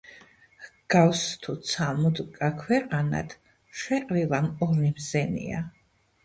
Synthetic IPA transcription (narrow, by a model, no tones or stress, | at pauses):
ɡ̥awst̪ʰut̪sʰamud̪kʼakʰwɛqʼana̰d̪ | ʃwɛqʼɾilamɔɾnimzɛnḭa̰